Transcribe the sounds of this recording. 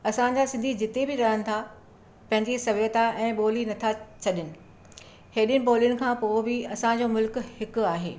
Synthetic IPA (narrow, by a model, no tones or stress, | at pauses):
ɐsãd͡ʑasɪ̃nd̪ʱid͡ʑɪt̪ebɪɾɐɽəñɪ̆t̪ʰa | pɐ̃ɦɪ̃ɲd͡ʑisɐʋət̪aʔɛ̃ːɓoːlinɐt̪ʰat͡ɕʰɐɗɪnɪ̆ | heːɗɪnɪ̆poːlijʊnɪ̆kʰãːpoːbɪɐsãd͡ʑoːmʊlkhɪkʊ̆aːɦḛː